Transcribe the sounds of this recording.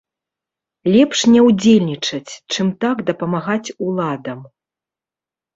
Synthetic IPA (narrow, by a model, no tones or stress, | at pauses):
lʲɛpʂnʲɛwd͡zʲelʲnʲit͡ʂɐt͡sʲt͡ʂɨmt̪aɡd̪ɐpɐmaɣat͡sʲulˠad̪ɐm